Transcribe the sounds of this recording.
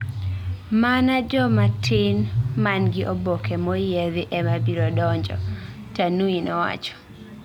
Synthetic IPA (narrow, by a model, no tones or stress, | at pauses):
manad͡ʒɔmatʰɪnmanɡɪʔobokʰɛmɔjɛðɪʔɛmabiɾɔdɔɲd͡ʒɔ̰ | tanuinɔwa̰t͡ʃɔ̥